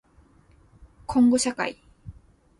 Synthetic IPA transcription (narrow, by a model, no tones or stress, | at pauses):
kʰõŋɡoɕaka̰i